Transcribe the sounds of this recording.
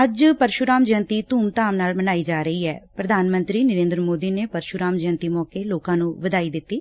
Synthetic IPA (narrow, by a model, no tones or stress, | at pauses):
əd͡ʒpəɾʃʊɾaːmd͡ʒə̃nt̪iːt̪uːmt̪aːmnaːlmənaːiːd͡ʒaːɾəiːɛːpɾəd̪ʱaːnmənt̪ɾiːnəɾeːnd̪ɾəmoːd̪iːneːpəɾʃʊɾaːmd͡ʒə̃nt̪iːmɔːkeːloːkãːnũːʋəd̪aːiːd̪ɪt̪ːiː